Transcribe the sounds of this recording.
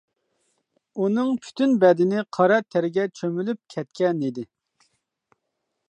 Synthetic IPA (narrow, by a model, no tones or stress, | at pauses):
unɨŋpʰy̥t̪ynbɛd̪ɪnɪqʰɑɾɑt̪ʰæɾɪɡʲɛt͡ʃʰømylyp̚kʲʰɛt̪kʲɛnid̪ɪ